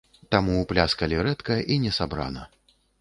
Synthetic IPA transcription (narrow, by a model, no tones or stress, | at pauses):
t̪amuːplʲaskɐlʲɛɾɛt̪kɐʔinʲɛsabɾa̰nɐ